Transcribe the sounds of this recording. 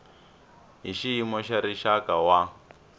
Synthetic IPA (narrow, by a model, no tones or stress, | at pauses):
ɦiʃiimɔʃaɾiʃakawa